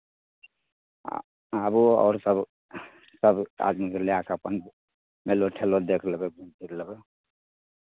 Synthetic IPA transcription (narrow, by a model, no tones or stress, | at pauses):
abuɔ̰ːɾsəb | səba̰d̪mikəleakəpən | meloʈʰelod̪ekʰlbeɡũnd̪ʱiɾləbe